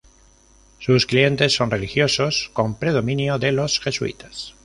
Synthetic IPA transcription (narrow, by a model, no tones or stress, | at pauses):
susklie̞nt̪e̞sːo̞nre̞lixjo̞so̞sko̞mpɾe̞ð̞o̞mĩnjoðe̞lo̞sxe̞suḭt̪ḁs